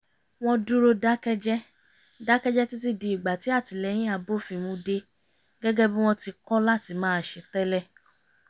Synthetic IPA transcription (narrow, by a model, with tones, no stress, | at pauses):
w̃ɔ̃˧du˦ɾo˧da˦kɛ˦d͡ʒɛ˦ | da˦kɛ˦d͡ʒɛ˦ti˦t̬i˦di˧˨i˨ɡ͡ba˨ti˨˦a˦˨ti˨˧lɛ˧˦j̃ĩ˦a˧bo˦˨fĩ˧mũ˧de˧ | ɡɛ˦ɡɛ˦bĩ˦w̃ɔ̃˧ti˧kɔ˦la˦˨ti˧mãː˦˨ʃe˧tɛ˦lɛ˦˨